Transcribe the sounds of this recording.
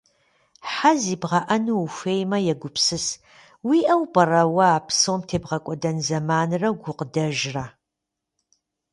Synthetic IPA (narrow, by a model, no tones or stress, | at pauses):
ħaziːbʁɐʔɐnuufʷeːjmɐjɛɡʷʊpʰsɨs | wiːʔɐwpʼɐrɐwɐaːpsowmtʰeːbʁɐkʷʼɔdɐnzɐmaːnɨrɐwɡʷʊqədɐʒra